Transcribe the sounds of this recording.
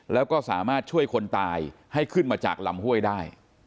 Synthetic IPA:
lɛː˦˥wkɔː˥˩sa̰ː˩˦maː˥˩t̪̚t͡ɕʰu˥˩əjkʰo˧nt̪aː˧jha˥˩jkʰɯ˥˩nmaː˧t͡ɕa̰ː˨˩k̚la˧mhu˥˩əjdaː˥˩j

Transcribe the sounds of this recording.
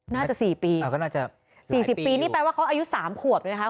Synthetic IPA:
naː˥˩t͡ɕa˨˩siː˨˩piː˧a˧˩kɔ˥˩naː˥˩t͡ɕa˨˩ | siː˨˩siː˨˩iː˧niː˥˩pɛː˧waː˥˩kʰa˦˥wʔa˧ju˦˥saː˩˦mkʰu˨˩əp̚n˧n˦˥kʰa˥

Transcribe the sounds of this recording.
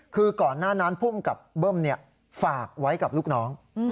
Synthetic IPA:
kʰɯː˧kɔː˨˩nːaː˥˩na˦˥npʰuː˥˩mka˨˩p̚bɤː˥˩mni˥˩ɐ | faː˨˩k̚wa˦˥jka˨˩p̚luː˥˩k̚nɔː˦˥ŋ

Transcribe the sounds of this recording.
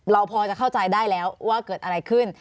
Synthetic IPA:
ɾa˧wpʰɔː˧t͡ɕa˨˩kʰa˥˩wt͡ɕa˧jdaː˥˩jlɛː˦˥wwaː˥˩kɤː˨˩t̪ʔa˧ɾa˧jkʰɯ˥˩n

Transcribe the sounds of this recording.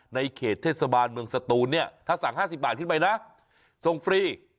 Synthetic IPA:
na˧jkʰeː˨˩t̪ʰːeː˥˩t̪̚sa˧baː˧nmɯ˧əŋsa˧t̪uː˧nːi˥˩ɐt̪ʰaː˥˩sa˩˦ŋɦaː˥˩si˨˩p̚baː˨˩t̪̚kʰɯ˥˩pa˧jna˦˥ʔ | so˨˩ŋfɾiː˧˩

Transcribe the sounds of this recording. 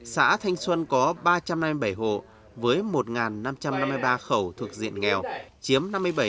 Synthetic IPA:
sa̰ː˧˥t̪ʰa˧jŋ̟swə˧nkɔ˨˦ɓaː˧t͡ɕa˧mna˧mːɨ˧jɓə˧˩jɦo̰˧˨ | vəː˨˦jmo˨˩t̚ŋaː˨˩nːa˧mt͡ɕa˧mna˧mːɨ˧jɓaː˧xə˧˩wt̪ʰu˨˩ək̚zḭ˧˨ənŋɛ˨˩wt͡ɕi˨˦əmna˧mːɨ˧əjɓə˧˩

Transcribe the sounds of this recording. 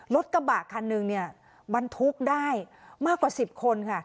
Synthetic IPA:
lo˦˥t̪̚ka˧baː˨˩kʰːa˧nːɯ˧ŋni˥˩ɐ | ba˧nt̪ʰu˦˥k̚daː˥˩jmaː˥˩kwaː˨˩si˨˩p̚kʰo˧nkʰa˥˩

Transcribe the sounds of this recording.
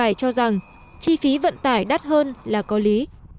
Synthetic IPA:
aː˧˩jt͡ɕɔ˧za˨˩ŋ | t͡ɕi˧fi˨˦və̰˧˨nt̪aː˧˩jɗa˦˥t̚ɦəː˧nlaː˨˩kɔ˨˦li˨˦

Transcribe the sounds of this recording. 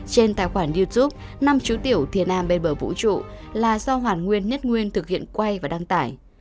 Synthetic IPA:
t͡ɕe˧nt̪a̰ː˧˨jxwaː˧˩nɗi˧t̪u˦˥p̚na˧mt͡ɕu˨˦t̪i˧˩əwt̪ʰi˨˩ənʔaː˧mɓe˧nɓəː˧˩vṵ˧˥t͡ɕṵ˧˨laː˨˩sa˧wɦwaː˨˩n̚ŋwi˧ənɲə˦˥t̚ŋwi˧ənt̪ʰɨ˨˩k̚hḭ˧˨ənkwa˧jvaː˨˩ɗa˧ŋt̪aː˧˩j

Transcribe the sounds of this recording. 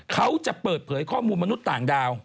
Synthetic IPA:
kʰa˦˥wt͡ɕa˨˩ʔpɤː˨˩t̪̚pʰɤː˩˦jkʰɔː˥˩muː˧nma˧nu˦˥t̪ːaː˨˩ŋdaː˧w

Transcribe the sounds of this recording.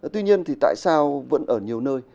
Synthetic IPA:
t̪wi˧ɲi˧ənt̪ʰi˨˩t̪a̰ː˧˨jsaː˧wvə̰˧˥nʔəː˧˩ɲi˨˩əwnəː˧j

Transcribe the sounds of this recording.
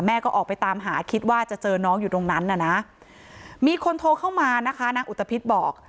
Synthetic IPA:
mɛː˥˩kɔː˥˩ʔɔː˨˩k̚pa˧jt̪aː˧mɦaː˩˦kʰi˦˥t̪̚waː˥˩t͡ɕa˨˩t͡ɕɤː˧nɔː˦˥ŋjuː˨˩t̪o˧ŋna˦˥nʔa˨˩na˦˥ʔ | miː˧kʰo˧nt̪ʰoː˧kʰa˥˩wmaː˧na˦˥kʰa˦˥naː˧ŋʔu˨˩t̪ʰːa˧pʰi˦˥t̪̚bɔː˨˩k̚

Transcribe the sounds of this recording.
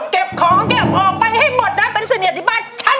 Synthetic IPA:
ke˨˩p̚kʰɔː˨˦ŋŋke˨˩p̚ʔɔː˨˩k̚ɓa˧jha˥˩jmo˨˩t̪̚ɗaː˦˥˦pe˧nsa˧ni˨˩t̪ʰi˦˥ɓaː˧˩nt͡ɕʰa˧˥

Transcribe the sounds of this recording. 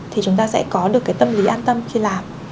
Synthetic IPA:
t̪ʰi˨˩t͡ɕʊ˨˦ŋ͡mt̪aː˧sɛ̰˧˥kɔ˨˦ɗɨ˨˩əkːaː˨˦jt̪ə˧mli˨˦ʔaː˧nt̪ə˧mxi˧laː˨˩m

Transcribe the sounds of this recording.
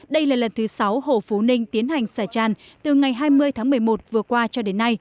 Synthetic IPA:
ɗə˧jlaː˨˩lə˨˩nt̪ʰɨ˨˦sa˨˦who̰˧˩fu˨˦nï˧ŋ̟t̪i˨˦ənha˨˩jŋ̟saː˧˩t͡ɕaː˧˩nt̪ɨ˨˩ŋa˨˩jɦaː˧jmɨ˧əjt̪ʰaː˨˦ŋmɨ˨˩əjmo˨˩t̚vɨ˨˩əkwaː˧t͡ɕɔ˧ɗe˨˦nːa˧j

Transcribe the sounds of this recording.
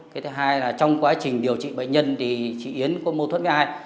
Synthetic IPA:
aː˨˦t̪ʰːɦaː˧jlaː˨˩t͡ɕɔ˧wŋ͡mkwaː˨˦t͡ɕï˨˩ŋ̟ɗi˨˩əwt͡ɕḭ˧˨ɓə̰˧˨ŋɲə˧nt̪ʰi˨˩t͡ɕḭ˧˨ʔi˨˦ənku˨˦mo˧t̪wt̚vaː˧j

